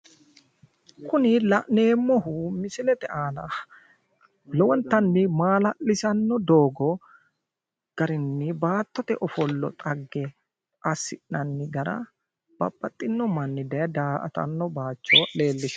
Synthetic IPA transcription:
kʊnɪlɐʔne̞ːmːɔhʊmɪsɪlɛt̪ɛʔaːnɐ | lɔwɔnt̪ɐnːɪmaːlɐʔɪsɐnːɔd̪oːɡɔ | ɡ̥ɐɾɪnːɪbaːt̪ːɔt̪ɛʔɔfɔlːɔ̰t̪ʼɐɡːɛ | ʔɐsːɪʔnɐnːɪɡɐɾɐ̰ | b̥ɐ̰bːɐt̪ʼːɪnːɔmɐnːɪd̪ɐjɐd̪aːʔɐ̰t̪ɐ̰nːɔbaːt͡ʃːɔle̞ːlːɪʃ

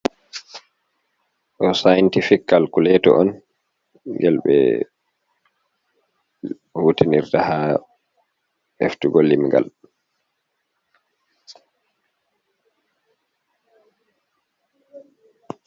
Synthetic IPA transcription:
ʔɔsajntifikːalkulɛtɔ̰ʔɔn | ɡɛlɓɛ̰ | hutiniɾtaha | ʔḛftuɡolːimɡa̰l

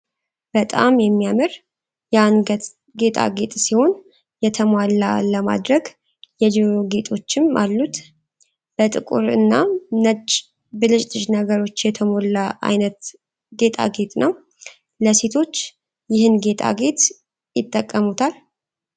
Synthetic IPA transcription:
b̥ət̪ʼa̰mjɛmːijamɨɾ | janɡ̪ | ɡe̞t̪ʰʼa̰ɡe̞t̪ʼsiho̞n | jɛt̪ʰəmwalːaləma̰d̪ɾəɡ | jɛd͡ʒiɾoɡe̞t̪ʼʰo̞t͡ʃːɪmʔalːut̪ | b̥ət̪ʼɨkʼṵɾɨ̰nːanət͡ʃʼ | bɨlɨt͡ʃʼlɨʒnəɡəɾo̞t͡ʃːjɛt̪ʰəmo̞lːaʔa̰jnət̪ | ɡe̞t̪ʼa̰ɡe̞t̪ʼnəw | ləse̞t̪ʰo̞t͡ʃː | jɪhɨnɡe̞t̪ʰʼa̰ɡe̞t̪ʼ | jɪt̪ʼːəkʼːəmut̪ʰal

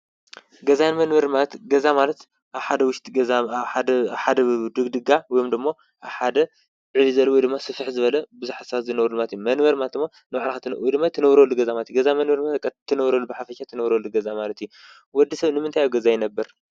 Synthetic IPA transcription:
ɡɐzajnmɐnwɐɾmalɐt̪ɡɐzamalɐt̪ | ʔaβħad̪ɐwʊʃt̪ʰʼiɡɐzaad̪ħad̪ɐd̪ɨɡd̪ɨɡawɔjomd̪ɨmːo̞ | ʔaβħad̪ɐ | ʕɨvizɐlːwɔjd̪ɨmːasɨfɨħzɨβɐlɐbɨzuħasat̪zɨnɐwɾumat̪jumɐnbɐɾmat̪ɨmːo | nɨβaʕlxat̪ʰɨwjd̪ɨmːat̪ʰɐnɐβɾɐlːuɡɐzamalt̪ʰjɡɐzamɐnwɐɾmat̪kːat̪ʰːɐnɐβɾɐlubɨħafɐʃat̪ʰɨnɐβɾɐlːuɡɐzamalɐt̪ju | wɔd̪ːisɐβnɨmɨnt̪ʰajaɡɐzajɪnɐbːɐɾ

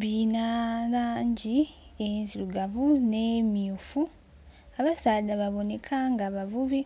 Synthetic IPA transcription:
βinalaːɲɟi | enziluɡaβunemiufu | aβasaːdaβaβo̞ne̞kʰaŋɡaβavuβi

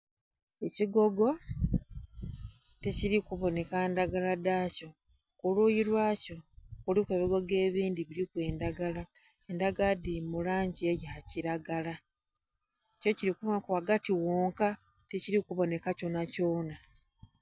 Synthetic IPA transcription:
e̞ciɡo̞ɡo̞ | teciɾikuβo̞ne̞kaendaɡaladaːco̞ | kuluːjiɾwaːco̞kulikweːβiɡo̞ɡe̞ːβiːndiβiɾikwe̞ːndaɡala | endaɡadimulaːɲɟiejihaciɾaɡala | co̞ciɾikuβakwaɡatiwoːŋka | teciɾikuβo̞ne̞kaco̞naco̞ːna

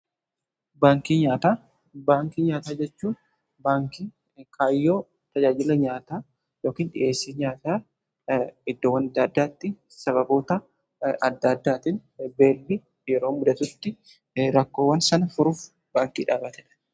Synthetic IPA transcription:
baːŋkiːɲaːt̪aː | baːŋkiːɲaːt̪aːd͡ʒɛt͡ʃːuːn | baːŋkiː | kʰaːɪjːo̞ː | t̪ɐd͡ʒaːd͡ʒɪlɐɲaːt̪aː | jo̞ːkiːnᶑɪ̰ʔe̞ːsːiːɲaːt̪aː | ɪd̪ːoːwːɐnɐd̪ːaːd̪ːaːt̪ːɪ | sɐβɐboːt̪ɐ | ɐd̪ːɐd̪ːaːt̪ɪnbe̞ːlbɪ | jɛɾo̞ːmʊd̪ɐt̪ʊt̪ːɪ | ɾɐkːo̞ːwɐnsɐnɐfʊɾuːf | b̥aːŋkḭːᶑaːbɐt̪ɛᶑɐ̥

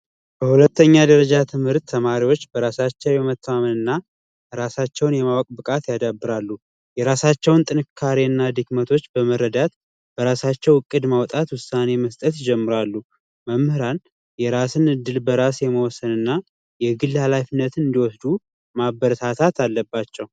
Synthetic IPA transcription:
b̥əhulət̪ːəɲːad̪əɾəd͡ʒat̪ʰɨmhɨɾt̪ʰːəmaɾiwo̞t͡ʃːbəɾasat͡ʃːɛwjɛmət̪ʰːəmamənɨnːa | ɾasat͡ʃːɛwnjɛmawɔkʼbɨkʼat̪jad̪abːɨɾalːu | jɛɾasat͡ʃːɛwnt̪ʼɨnɨkʰːaɾeɨnːad̪ikmət̪ʰo̞t͡ʃːbəməɾːəd̪at̪ | b̥əɾasat͡ʃːɛwɨkʼːɨd̪mawt̪ʼat̪wʊsːane̞məst̪ʼət̪ɪd͡ʒɛmːɨɾalːu | məmhɨɾan | jɛɾasɨnɨd̪ːɨlbəɾasjɛməwɔsːənɨnːa | jɛɡɨlːhalafinːət̪ɨnd̪iwɔsd̪u | mabəɾət̪ʰat̪ʰat̪ʰalːəbːat͡ʃːɛw

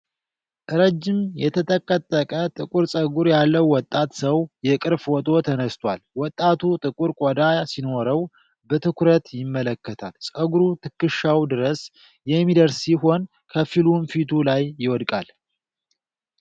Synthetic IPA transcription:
ʔɨɾəd͡ʒːɪmjɛt̪ʰət̪ʼəkʼːət̪ʼːəkʼət̪ʼɨkʼuɾsʼəɡuɾjalːəwːɔt̪ʼːat̪səwjɛkʼɨɾfwɔt̪ʼo̞t̪ʰənəst̪ʰʼwa̰lwɔt̪ʼːat̪ʰut̪ʼɨkʼuɾkʼɔd̪asinoɾəw | bət̪ʰɨkɾət̪jɪmːələkːət̪ʰalsʼəɡuɾut̪ʰɨkːɨʃːawd̪ɨɾəs | jɛmːid̪əɾsːiɦo̞n | kʰəfilumfit̪ʰulajːɪwɔd̪kʼal

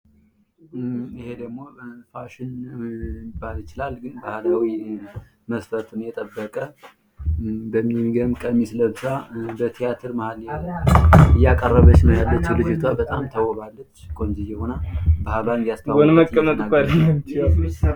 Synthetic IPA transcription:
ihe̞d̪əɡmo̞faʃɪnjɪbːaljɪt͡ʃɪlalɡɨnbahlawi | məsfət̪ʰunjɛt̪ʼəbːəkʼə | bəmːiɡəmkʼəmːisləβsabət̪ʰijat̪ʰɨɾmahala | ɨjːakʼərːəβət͡ʃːnəjalːət͡ʃːlɨd͡ʒɪt̪ʰwabət̪ʼamt̪ʰəwɔβalːət͡ʃːkʰʼo̞nd͡ʒijɛhonabahlanjast̪ʰawaonməkʼːəmətʼaal

